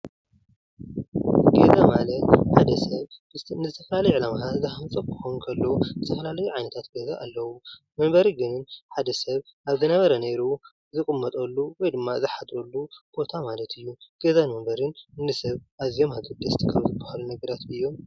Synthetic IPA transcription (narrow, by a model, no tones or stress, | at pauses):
ɡezamalɐt̪ħad̪ɐsɐβnɨzɨt̪ʰɐfɐlalɐjuʕɨlamat̪ʰazɨħamt͡sʼɐkʰɨ̥xonkʰɐlːozɨt̪ʰɐfɐlalɐjuʕajnɐt̪ʰat̪ɡezaʔalːɐwu | mɐmbɐɾiɡɨnnħad̪ɐsɐβ | ʔaβzɨnɐβɐɾɐne̞ɾu | zɨkʼɨmːɐt̪ʼɐlːuwɔjd̪ɨmːazɨħad̪ɾolːub̥o̞t̪ʰamalɐt̪ɨjːuɡ̥ezanmɐmbɐɾɨnɨnːɨsɐβʔaβzijo̞mhaɡɨd̪ɐst̪ʰikʰaβzɨbːɐhalunɐɡɐɾat̪ɨjːo̞m